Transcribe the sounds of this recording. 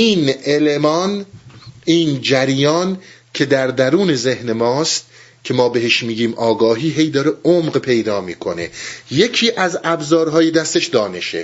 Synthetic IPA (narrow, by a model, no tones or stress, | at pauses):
iːnelemɒːn | iːnd͡ʒæɾjɒːn | cʰe̞d̪æɾd̪æɾuːne̞ze̞hne̞mɒːst̪̚ | cʰe̞mɒːbeɦeʃmiːɡiːmʔɒːɡɒːɦiːɦe̞jd̪ɒːɾeomɢpʰe̞jd̪ɒːmiːkʰo̞ne̞̰je̞cʰiːʔæzæbzɒːɾɦɒːjed̪æst̪e̞ʃd̪ɒːne̞ʃḛ